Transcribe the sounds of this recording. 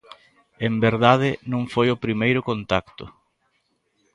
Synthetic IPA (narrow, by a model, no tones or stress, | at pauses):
embeɾðaðɪnõŋfojʊpɾimejɾʊkont̪akt̪ʊ̰